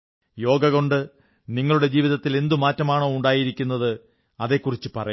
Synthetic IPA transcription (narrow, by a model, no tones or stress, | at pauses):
jo̞ːɡɐɣo̞ɳɖɨ | niŋːɐɭuɽe̞d͡ʑiːʋiðɐt̪ːile̞nd̪umaːtːɐmaːɳoːuɳɖaːjiɾikʲːun̪ːɐðɨ | ɐðe̞kːurit͡ɕːɨpɐrɐj